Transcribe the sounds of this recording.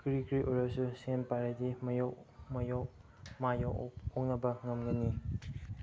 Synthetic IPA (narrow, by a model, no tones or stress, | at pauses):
kɾikɾiʔoɾasusempaɾedimɐjoʔmɐjok | majooŋ̚nɐbɐŋɐmɡɐni